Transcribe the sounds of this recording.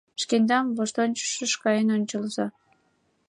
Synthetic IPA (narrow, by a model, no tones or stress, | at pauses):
ʃkenʲd̪ɑmvoʃt̪onʲt͡ɕə̥ʃə̆ʃkɑjənonʲt͡ɕəlzɑ